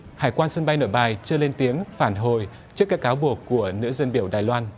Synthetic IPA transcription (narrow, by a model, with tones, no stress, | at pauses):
haː˧˩jkwaː˧nsə˧nɓa˧jno̰˧˩jɓaː˨˩jt͡ɕɨ˧le˧nt̪i˨˦əŋfaː˧˩nɦo˨˩j | t͡ɕɨ˦˥kːaː˦˥kːaː˨˦wɓu˨˩əkːu˧˩ənɨ̰˧˥zə˧nɓi˧˩əwɗaː˨˩jlwaː˧n